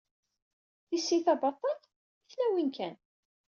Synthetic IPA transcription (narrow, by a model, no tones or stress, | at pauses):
θisːiθɑbɑt̪ˤːɑl | iθlæwinkæn